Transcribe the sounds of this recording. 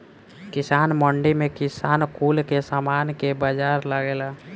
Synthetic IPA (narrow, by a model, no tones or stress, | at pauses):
kɪsaːnməɳɖimẽkɪsaːnkuːlkesaːmaːnkebəd͡ʒaːɾlaɡelaː